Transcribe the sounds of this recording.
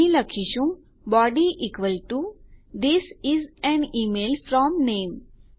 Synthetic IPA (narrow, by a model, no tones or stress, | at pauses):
iləkʰiʃũŋ | bɔɖiʔikʋəlʈud̪isizɛ̃nimelfɾɔmnẽːm